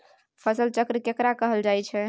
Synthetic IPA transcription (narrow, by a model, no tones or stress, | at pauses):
pʰəsəlt͡ʃəkɾəkekɾakəɦəld͡ʒajt͡ʃʰɛ